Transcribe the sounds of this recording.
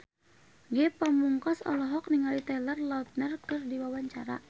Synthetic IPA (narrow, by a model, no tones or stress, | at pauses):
ɡɛpamuŋkɔsɔ̰lɔɦɔk̚niŋalit̪alərlaut̪̚nərkɨrdiwawaɲt͡ʃa̰ɾa̰